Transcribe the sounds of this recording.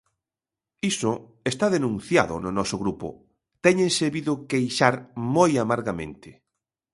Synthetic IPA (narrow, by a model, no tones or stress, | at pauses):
isʊ | est̪aðenũn̟θja̰ðʊ̰nʊnɔsʊɣɾupʊ̰ | t̪ɛɲẽnseβiðʊkejʃaɾmojamaɾɣamḛ̃nt̪ɪ